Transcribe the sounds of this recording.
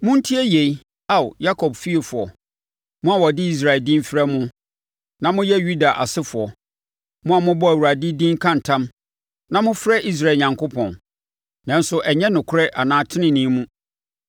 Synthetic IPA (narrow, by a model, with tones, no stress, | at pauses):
mʊ̃˦n̩˦tʰi˦ɛ˦je˨i˦ | a˦˨wja˦kʰɔ˨bfi˦e˨fʊ˨ɔ˨ | mʊ̃˦a˨wɔ˨dɪ˦i˦s̬ɾa˨ldĩ˦mfɪ˦ɾɛ˦mʊ̃˦ | nã˦mʊ̃˦jɛ˦ju˦da˨ʔa̰˨sɪ˦fʊ˨ɔ˨ | mʊ̃˦a˨mʊ̃˦bɔ˦æ˨wu˨a˨dɪ˦dĩ˦ŋ˦kʰã˦n̩˨tʰã˦m | nã˦mʊ̃˦fɾɛ˦ʔi˦s̬ɾa˨lɲã˨ŋkʰo˦pʰɔ̃˨n | nã˦n˦sʊ˦ʔɛ˨ɲɛ̃˦nʊ̃˨kʰʊ˦ɾɛ˦ʔa˨nãː˦tʰɪ˦nɪ̃˨nĩ˦mũ˦